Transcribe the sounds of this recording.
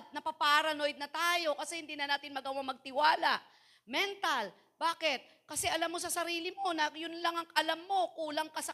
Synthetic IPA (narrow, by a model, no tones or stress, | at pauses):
d̪̚nɐpapaʔaɾɐnojd̪̚nɐt̪aːjo̞kɐsɛhɪnd̪iːnɐnaːt̪ɪnmɐɡɐwaŋmɐɡ̚t̪ɪwaːlaʔ | mɛnt̪ɐl | baːkɪt̪̚ | kɐsɛʔɐlamːo̞sɐsɐɾiːlɪmo̞nɐjʊnlɐŋɐŋʔɐlamːo̞kuːlɐŋkɐsɐ